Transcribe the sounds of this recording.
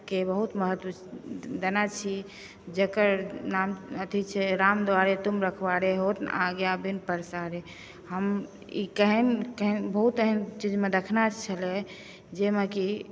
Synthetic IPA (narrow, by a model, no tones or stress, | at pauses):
kebəɦut̪məɦət̪wə | d̪ənat͡ʃʰi | d͡ʒəkəɾnamət̪ʰit͡ʃʰɛɾamd̪waɾet̪umɾəkʰbaɾeɦot̪naɡjabʱinpəɾsaɾe | ɦəm | ikəɦinkəɦinbəɦut̪əɦənt͡ʃid͡ʒmed̪əkʰnat͡ʃʰəle | d͡ʒemeki